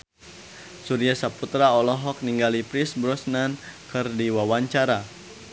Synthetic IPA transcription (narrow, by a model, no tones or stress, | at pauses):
suɾiasaput̪ɾaɔlɔɦɔk̚niŋɡalipɾisbɾɔsnankɨrdiwawaɲt͡ʃaɾa